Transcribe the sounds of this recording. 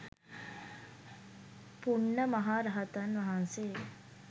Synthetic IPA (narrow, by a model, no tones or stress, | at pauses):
puɳːəmɐɦaːɾɐɦɐt̪ɐnʋɐɦanse